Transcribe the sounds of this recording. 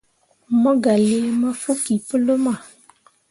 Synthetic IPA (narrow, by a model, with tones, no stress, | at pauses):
mɔ̃˦ɡa˨li˦e˦mã˦fo˦ki˨pə˦lə˦mã˨